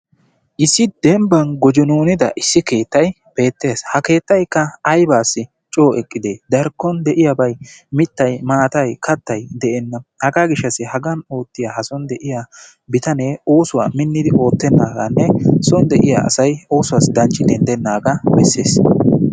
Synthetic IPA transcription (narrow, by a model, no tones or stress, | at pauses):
ʔɪsːɪd̪̥ɛmbɐnɡɔd͡ʒɔnuːnɪd̪ɐ̰ʔɪsːɪke̞ːt̪ːɐj | b̥e̞ːt̪ːe̞ːshɐke̞ːt̪ːɐjkːɐːjbaːsːɪ | t͡ʃʼo̞ːʔɛkʼːɪd̪eːd̪ɐɾkːɔnd̪ɛʔɪjɐbɐjmɪt̪ːɐjmaːt̪ɐjkɐt̪ːɐjd̪ɛʔɛnːɐhɐɡaɡɪʃːɐsɪhɐɡɐno̞ːt̪ːɪjahɐsɔnd̪ɛʔɪja | bɪt̪ɐneːo̞ːsʊwa̰ːmɪnːɪd̪ɪʔo̞ːt̪ːɛnːaːɡɐnːɛsɔnd̪ɛʔɪja̰ɐ̰sɐjo̞ːsʊwaːsd̪ɐnt͡ʃʼːɪd̪ɛnd̪ɛnːaːɡɐbɛsːeːs